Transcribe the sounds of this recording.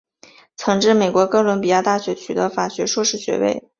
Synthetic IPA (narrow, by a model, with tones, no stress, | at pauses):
t͡sʰɤ˧˥ŋʈ͡ʂɻ̩˥˩me˨˩ɪkwɔ˧˥kɤ˥lwə˧˥npi˨˩ja˥˧t̪a˥˩ɕɥɛ˧˥t͡ɕʰy˨˩d̪ə˧˦fa˨˩ɕɥɛ˧˥ʂwɔ˥˧ʂɻ̩˥˩ɕɥɛ̰˧˥wḛ˥˩ɪ